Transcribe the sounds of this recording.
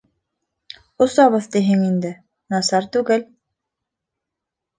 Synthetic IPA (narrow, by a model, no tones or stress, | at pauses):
ŏsɑβɤðt̪iɦɘŋind̪ɘ | nɑsɑɾt̪ʉɡɘl